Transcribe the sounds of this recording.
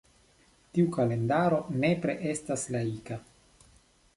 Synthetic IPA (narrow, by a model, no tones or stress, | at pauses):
tiukale̞ndaɾo̞ne̞pɾe̞ʔe̞staslaika